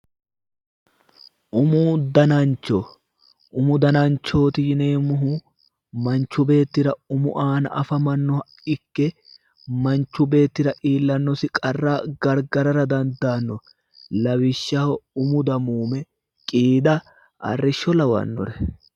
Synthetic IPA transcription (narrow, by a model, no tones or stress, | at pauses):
ʔʊmuːd̪ɐnɐnt͡ʃːɔ | ʔʊmʊd̪ɐnɐnt͡ʃːo̞ːt̪ɪjneːmʊɦu | mɐnt͡ʃːʊbe̞ːt̪ːɪɾɐʊmʊʔaːnɐʔɐfɐmɐnːɔ | ɪkːɛ | mɐnt͡ʃːʊbe̞ːt̪ːɪɾɐʔiːlːɐnːɔsɪkʼɐrːaːɡɐɾɡɐɾɐɾɐd̪ɐnd̪aːnːɔ | lɐwɪʃːɐhɔʊmʊd̪ɐmuːmɛ | kʼiːd̪ɐ | ʔɐ̰rːɪʃːɔlɐwɐ̰nːɔ̰ɾɛ